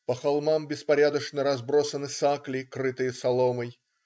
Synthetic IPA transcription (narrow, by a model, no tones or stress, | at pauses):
pəxɐlˠmambʲɪspɐɾʲad̪əʂnəɾɐzbɾo̞sənɨsaklʲɪkɾɨt̪ɨjəsɐlˠoməj